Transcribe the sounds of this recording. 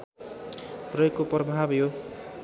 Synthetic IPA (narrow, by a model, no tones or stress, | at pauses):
prʌekːoprʌbʱabjo